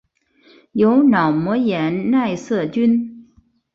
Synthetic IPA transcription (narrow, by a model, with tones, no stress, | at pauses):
jo˧˥ʊnɑ˨˩ʊmwɔ˧˥jɛ˧˥nna˥˧ɪsɤ˥˩t͡ɕy˥n